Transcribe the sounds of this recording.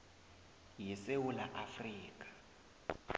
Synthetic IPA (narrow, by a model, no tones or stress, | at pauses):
jisewulaʔafriːk̬ʼḁ